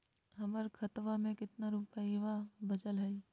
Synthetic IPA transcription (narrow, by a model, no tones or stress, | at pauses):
ɦɐməɾkʰɐt̪ʋamẽkɪt̪naɾupəiʋabɐd͡ʒəlɦɐi